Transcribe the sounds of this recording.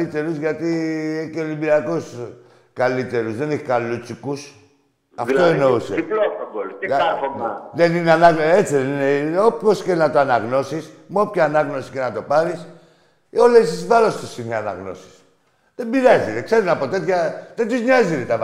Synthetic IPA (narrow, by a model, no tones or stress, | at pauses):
it̪e̞ɾuzʝat̪ieceolibiɾiakos | kalit̪e̞ɾuzðe̞neç̥kalut͡sikus | aft̪oeno̞uselobol | ðenineanaɣet͡siðenineopço̞sce̞nat̪oanaɣno̞sismuopçaːnɐɣno̞si̥ce̞nɐt̪o̞paɾis | eo̞lesizvaɾo̞st̪usineana̰ɣno̞̰si̥s | ðembiɾazit̪ekse̞ɾunapot̪e̞t̪çɐðet̪uzɲazit̪et̪av